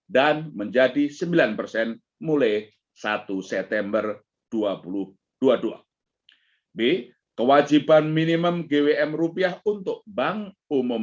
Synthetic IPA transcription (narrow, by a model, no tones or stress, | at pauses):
danməɲd͡ʒadisəmbilanpərsɛn | mulaj | sat̪usɛp̚t̪ɛmbər | d̥uapulʊh | d̥uadua̰ | be | kəwad͡ʒibanminiməmɡeweʔɛmrupiahunt̪ʊk̚baŋ | umʊ